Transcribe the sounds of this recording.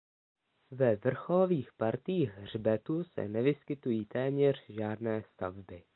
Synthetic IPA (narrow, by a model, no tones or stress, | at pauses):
vɛvr̩xoloviːxpaɾt̪iːɣr̝bɛt̪usɛ̰nɛvɪskɪt̪ujiːt̪ɛːmɲɛr̝̥ʒaːdnɛːst̪avbɪ